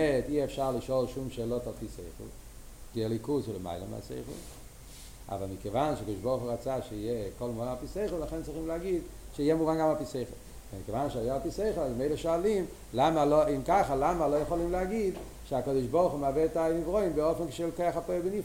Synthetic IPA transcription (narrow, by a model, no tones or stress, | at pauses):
ɛtiɛfʃaʁliʃolʃumʃeːlotalpisḛɪχl | kiɛlikuslḛma̰ɪlə̰mɪ̰a̰sḛɪχl | a̰valmikevanʃeakod̪ɪʃboʁχuʁat͡saʃeijekolmuvanalpiseɪχəl̩laχɛnt͡sʁiχimlɛaɡid̪ | ʃeijɛmuvanɡamapiseɪχl | vɛmikevanʃeajoalpiseɪχəl̩aləmeɪləʃoalim | lamaloimkaχalamalojeχolimleaɡid̪ | ʃeakod̪ɪʃboʁχumavɛtamivʁoimbeofɛnkɪ̥ʃelokeaχapojbenif